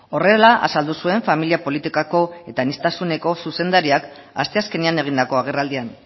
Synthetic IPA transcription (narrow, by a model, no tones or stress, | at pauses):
o̞re̞laʔa̰sald̪usue̞ɱfamiliapo̞lit̪ikako̞e̞t̪anist̪asune̞ko̞suse̞nd̪aɾiak | ast̪e̞aske̞niane̞ɣ̞ind̪ako̞aɣ̞e̞rald̪ian